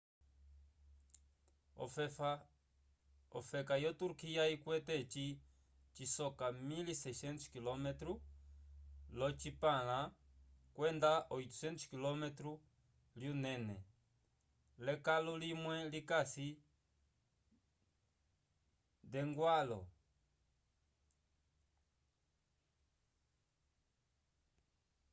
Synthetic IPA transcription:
fa | ɔfɛkajɔt̪uɾkijaikwɛt̪ɛt͡ʃi | t͡ʃisɔkamilisɛsɛnt̪u̥kilɔmɛt̪ɾu | lɔt͡ʃipala | kwɛnd̪aʔɔit̪u̥sɛnt̪u̥kilɔmɛt̪ɾu | ljunɛnɛ | lɛkalulimwɛlikasi | d̪ɛŋɡwalɔ̰

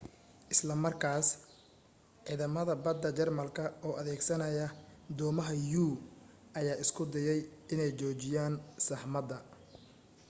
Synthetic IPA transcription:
ʔɪslɐmɐrkʰaːs | ʕiːðɐmɐðɐbɐd̪ːɐt͡ʃɛrmɐlkʰɐʔɔːʔɐðɛːɡsɐnɐjɐd̪ɔːmɐɦɐjuː | ʔɐjaːʔɪskʰʊd̪ɐjɛjɪnɛjt͡ʃɔːt͡ʃɪjaːnsɐħmɐd̪ɐ

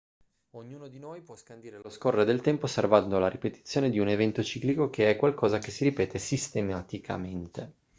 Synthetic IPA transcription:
oɲːuːnod̪inojpwɔskand̪iːɾeloskorːed̪elt̪ɛmpoːsːervand̪olaɾipet̪it̪sːjoːned̪iunevɛnt̪ot͡ʃiːklikokeɛkːwalkʰɔːzakesːiɾipɛːt̪ʰesist̪emat̪ikʰa̰ment̪e

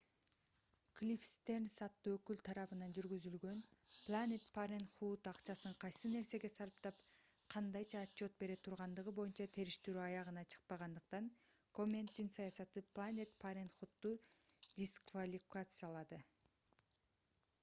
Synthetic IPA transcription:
klʲifst̪ernsɑt̪ːuøkylt̪ʰɑɾɑβɯnɑnd͡ʒyɾɡyzylɡø̞nplˠanʲet̪paɾʲenχut̪ɑqt͡ʃɑsɯɴqʰɑjsɯne̞ɾse̞ɡe̞sɑlˠɯpt̪ɑpqʰɑnd̪ɑjt͡ʃʰɑːtt͡ʃo̞t̪̚be̞ɾe̞t̪ʰuɾʁɑnd̪ɯʁɯbo̞junt͡ʃɑt̪ʰe̞ɾiʃt̪eɾyɑjɑʁɯnɑt͡ʃʰɯ̥q̚pɑʁɑnd̪ɯq̚t̪ɑŋko̞mʲent̪ːinsɑjɑsɑt̪ɯpʰlˠanʲet̪pʰaɾʲenχut̪ːud̪ʲiskvalʲikat̪sɨjɑlˠɑd̪ɯ

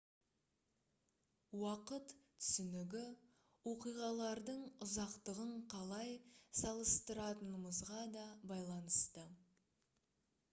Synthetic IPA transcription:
wɑqət̪ʰːʏ̥sʏnɪɡʲɪ | woqijʁɑlˠɑɾd̪əɴʊzɑqt̪əʁəɴqʰɑlˠɑjsɑlˠəst̪əɾɑt̪ənəməzʁɑd̪ɑbɑjlˠɑnəst̪ə

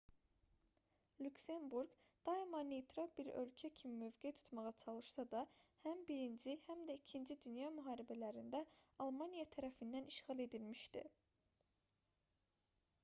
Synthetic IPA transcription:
lʲukse̞mbuɾɡd̪̥ɑimɑnet̪ʰɾobiɾø̞̰lcʰæcʰimimøvɡet̪ʰu̥t̪mɑʁɑt͡ʃʰɑlˠɯʃsɑd̪ɑhæmbiɾind͡ʒihæmd̪æicʰind͡ʒid̪ynjɑmyɦɑːɾibælæɾind̪æɑlˠmɑnijɑt̪ʰæɾæfind̪æniʃχɑlˠe̞d̪ilmiʃt̪ḭ

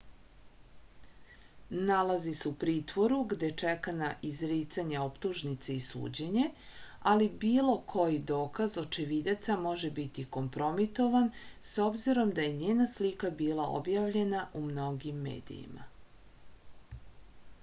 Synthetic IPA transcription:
nalaziseupɾiːt̪ʋo̞ɾuɡd̪et͡ʂɛkanaʔizɾiːt̪saɲao̞pt̪uʒnit̪seisṵːd͡ʑeɲealibiːlo̞kʰo̞jid̪o̞ːkazo̞t͡ʃiʋid̪at̪samo̞ʒebit̪iko̞mpɾo̞mit̪o̞ʋanso̞bziɾo̞md̪aje̞ɲeːnaslikabiːlˠao̰bjaʋʎe̞naʔumno̞ɡimːḛːd̪ḭjḭma̰

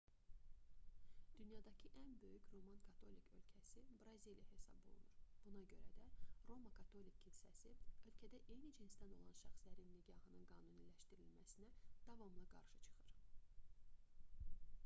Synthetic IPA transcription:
d̪̥ynjɑd̪ɑcʰiʔænbø̞jycʰɾo̞mɑnkʰɑt̪ʰo̞likʰø̞̰lcʰæsibɾɑzilijɑhe̞sɑ̰bo̰lˠṵnuɾb̥unɑɟø̞ɾæd̪æɾo̞mɑkʰɑt̪ʰo̞likʰːinsæsiø̞lcʰæd̪æʔe̞jnid͡ʒʰinst̪æno̞̰lˠɑnʃæχslæɾinːiɡɑhɯnɯnɡɑːnunilæʃt̪iɾilmæsinæd̪̥ɑvɑmlˠɑɡɑ̰ɾʃɯt͡ʃʰɯ̥χɯɾ̥

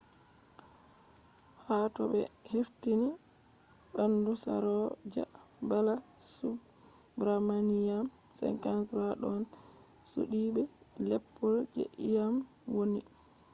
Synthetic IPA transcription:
hatɔbɛ̰ | heftini | ɗandusa̰ɾɔd͡ʒa̰bala | su | bɾamanijam | sɛ̰ŋkansɾaɗɔn | sṵɗibɛ | lɛpʰːɔld͡ʒḛʔijam | woni

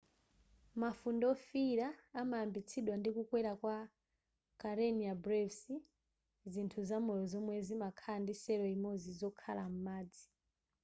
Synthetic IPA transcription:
mafundɔfiɾaːmaambit͡sʰiɗwandikukwɛɾakwa | kaɾɛniabɾɛvsi | zintʰuzamɔjɔzɔmwɛzimakʰandisɛɾɔimɔzizɔkʰalam̩maːd͡zi

